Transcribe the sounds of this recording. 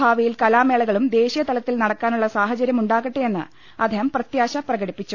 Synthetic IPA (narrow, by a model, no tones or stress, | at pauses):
aːʋɐjilkɐlaːmeːɭɐɣɐɭumd̪e̞ːɕijɐt̪ɐlɐt̪ːilnɐɽɐkːaːnuɭːɐsaːɦɐt͡ɕɐɾjɐmuɳɖaːɣɐʈːee̞nːɨ̰ | ɐd̪ʱeɦɐmprɐt̪jaːɕɐprɐɣɐɽipːit͡ɕːu